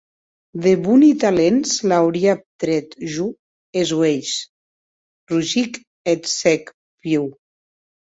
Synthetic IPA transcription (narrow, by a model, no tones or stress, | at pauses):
ðeβunit̪alenzlawɾiap̚t̪ɾɛt̪ʒu | ezwejʃ | ruʒik | et̪sɛk | pjuw